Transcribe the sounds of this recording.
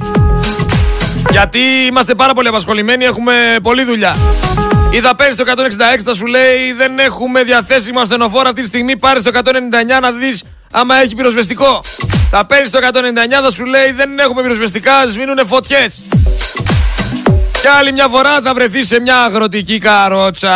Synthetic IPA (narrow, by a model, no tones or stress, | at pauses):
ʝɐt̪iimɐst̪e̞pɐɾɐpo̞liɐpɐsxo̞lime̞nie̞xume̞po̞liðuʎɐ | iθɐpe̞ɾnist̪oekɐt̪o̞neksind̪ɐe̞ksi̥θɐsule̞iðe̞ne̞xume̞ðjɐθe̞simɐst̪e̞no̞fo̞ɾɐft̪it̪ist̪iɣmipɐɾist̪o̞ekɐt̪one̞nind̪ɐeɲɐnɐðis | ɐmɐe̞çipiɾo̞zve̞st̪iko̞θɐpeɾnist̪o̞ekɐt̪one̞nind̪ɐeɲɐθɐsule̞iðe̞ne̞xumepiɾo̞zvest̪ikɐzminune̞fo̞t̪çe̞s | ceɐlimɲɐfo̞ɾɐθɐvɾe̞θise̞mɲɐːɣɾo̞t̪̬icikɐɾo̞t͡sɐ